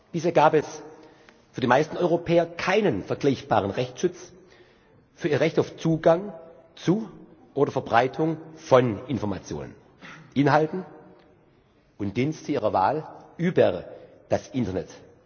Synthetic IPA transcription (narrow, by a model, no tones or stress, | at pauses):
b̥iːsheːɐɡaːpɛs | fyːɐdimaɪstn̩ɔʏʁopʰɛːɐkʰaɪnənfɛɐɡlaɪçb̥a̰ːʁ̞ənʁɛçt͡sʃʊt͡s | fyːɐiːɐʁɛçtaʊft͡suːɡaŋ | t͡suʔoːdɐfɛɐbʁaɪtʰʊŋfɔnɪnfɔɐma̰t͡sjo̰ːnə̰n | ʔɪnɦaltn̩ | ʊntd̥instʰiːʁɐva̰ːlʔyːbɐd̥asʔɪntɐnɛt